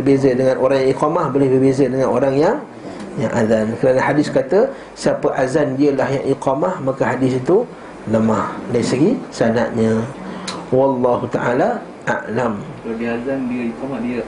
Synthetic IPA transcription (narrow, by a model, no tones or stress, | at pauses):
ərbezədəŋãnʔoɾaŋjaŋiqɑmahbolɪhbərbezədəŋãnoɾaŋjaŋ | jaŋʔazankəɾanəhadɪskat̪ə | siapəʔazandiəlahjaŋʔiqɑmahmakəɦadɪsit̪u | ləmahdaisəɡisana̰ʔɲə | wɑlːɑɦut̪aʔala | ʔa̰ʔlam | abiazandiəikɔmahdiə